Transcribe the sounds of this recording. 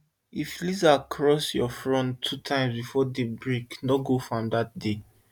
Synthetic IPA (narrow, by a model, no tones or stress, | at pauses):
iflizakʰɹɔsjɔfɹɔ̃ntʰːutʰãɪ̃msbifɔdebɹeknɔɡofɹɔ̃mdat̚de